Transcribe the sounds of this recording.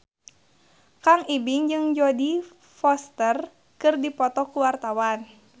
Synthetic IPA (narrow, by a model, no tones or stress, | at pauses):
kaŋibiŋd͡ʒɨŋd͡ʒɔdi | fɔst̪ər | kɨrdipɔt̪ɔkuwart̪awan